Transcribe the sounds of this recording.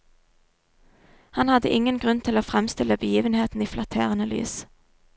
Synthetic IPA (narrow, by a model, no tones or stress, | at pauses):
hɑnhɑd̪əʔɪŋənɡʁʉnt̪ʰɪloːfʁɛmst̪ɪləbəjiːʋənheːt̪n̩iːflɑt̪ʰḛːʁənəly̰ːs